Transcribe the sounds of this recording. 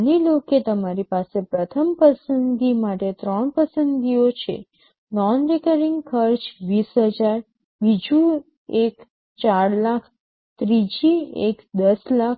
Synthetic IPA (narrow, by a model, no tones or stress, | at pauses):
niloket̪əmaɾipasepɾət̪ʰəmpəsənɡimaʈet̪ɾəɳpəsənɡiot͡ʃʰḛ | nɔnɾekəɾiŋɡkʰəɾt͡ʃʋisɦəd͡ʒaɾ | bid͡ʒu | ek | t͡ʃaɾlakʰ | t̪ɾid͡ʒiḛkd̪əslak̚ʰ